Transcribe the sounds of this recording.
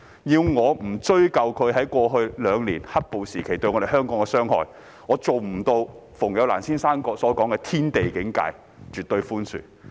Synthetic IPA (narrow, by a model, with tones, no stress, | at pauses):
jiː˧wŋɔː˨˧m̩˨˩t͡ʃɵ˥ɥkɐ˨wkʰɵ˨˧ɥɦɐ˨˥jkʷɔː˧ɦɵ˧ɥlœː˨˧ŋliː˨˩nhɐ˥t̚po˨wsiː˨˩kʰe˨˩jt̪ɵ˧ɥŋɔː˨˧ɾe˨˩ɦœː˥ŋkɔː˨˥ŋkɛ˧sœː˥ŋhɔ̰ː˨˧j | ŋɔː˨˧t͡so˨wm̩˨˩t̪o˧wfʊ˨˩ŋjɐ˨˧wla̰ː˨˩nsiː˥nsaː˥nkɔː˧k̚sɔː˨˥kɔː˨˥ŋkɛː˧t̪ʰiː˥nt̪e˨jkɪ˨˥ŋka̰ː˧j | t͡ʃyː˨t̪̚ɵ˧ɥfuː˥nsy̰ː˨˩